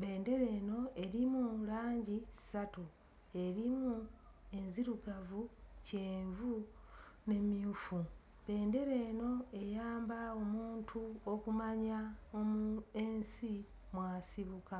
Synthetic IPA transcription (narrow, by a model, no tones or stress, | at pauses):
βe̞ːnde̞ɾe̞ːno̞e̞ɾimulaːɲɟi̥satu | e̞ɾimu | e̞nziɾukavuce̞ːɱvu | ne̞miufu | βe̞ːnde̞ɾe̞ːno̞e̞jaːmbao̞muːntʰuo̞kumaɲaomue̞nsi | mwaːsiβuka